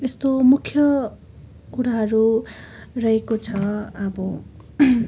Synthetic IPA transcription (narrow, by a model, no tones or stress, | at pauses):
est̪omukʰjʌ | kuɾaɦʌɾu | rʌɦekot͡sʰʌʌbʌ